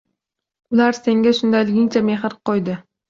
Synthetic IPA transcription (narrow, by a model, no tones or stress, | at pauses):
ʊlaɾse̞ŋɡʲaʃʊnd̪ajlɪɡʲɪŋt͡ʃʰame̞ɦɾqʰojd̪ɪ